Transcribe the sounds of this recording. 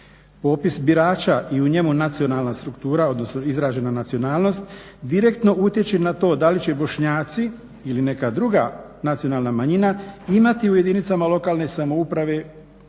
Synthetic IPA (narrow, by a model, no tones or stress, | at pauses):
po̞ːpisbiɾaːt͡ʃaʔiuɲe̞munat̪sio̞nalˠnast̪ɾukt̪uːɾao̞d̪no̞snoizɾaːʒe̞nanat̪sio̞naːlno̞st̪ | d̪iɾe̞kt̪no̞ʔut̪je̞t͡ɕenat̪o̞ːd̪alit͡ɕe̞bo̞ʃɲaːt̪si | iline̞kad̪ɾuɡa | nat̪sijo̞naːlˠnamaɲinaimat̪iuje̞d̪init̪samalo̞kaːlne̞samo̞upɾaʋe̞